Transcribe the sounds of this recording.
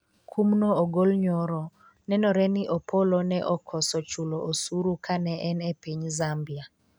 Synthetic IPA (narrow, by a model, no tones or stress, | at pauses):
kʰumnɔoɡolɲɔɾɔ | nɛnɔɾɛniʔɔpʰɔlɔnɛʔɔkʰɔsɔt͡ʃuloʔosuɾukʰanɛʔɛnɛpiɲzambia